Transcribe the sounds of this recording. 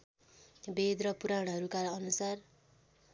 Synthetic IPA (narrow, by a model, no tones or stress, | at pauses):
bed̪rʌpuɾaɽ̃ʌɦʌɾukaɾʌʌnusar